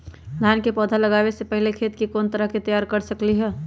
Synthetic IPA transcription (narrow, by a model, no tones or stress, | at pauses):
d̪ʱaːnkepɔːd̪ʱalɐɡaːʋesepəɦɪlekʰeːt̪kikoːnt̪əɾəɦket̪ɐjaːɾkɐɾsɐkliɦɛː